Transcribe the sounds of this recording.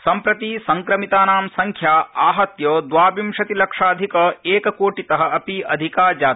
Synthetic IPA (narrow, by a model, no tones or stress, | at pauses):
sɐmpɾɐt̪iːsɐŋkɾɐmit̪aːnaːmsɐŋkʰjaːaːɦɐt̪jɐːd̪ʋaːbimʃɐt̪ilɐkʂaːd̪ʱikɐeːkɐkoːʈit̪ɐɦɐ̆ʔɐpiʔɐd̪ʱikaːd͡ʒaːt̪i̥